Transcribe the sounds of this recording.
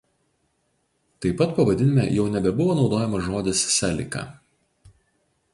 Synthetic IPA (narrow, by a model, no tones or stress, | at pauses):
t̪ɐɪpːɐt̪pɐʋɐd̪ʲɪnʲɪmʲɛˑjɛʊnʲɛbʲɛbʊʋoːnɒʊd̪oːjɛmɐʒoːd̪ʲɪssʲælʲɪ̰kɑ̰ː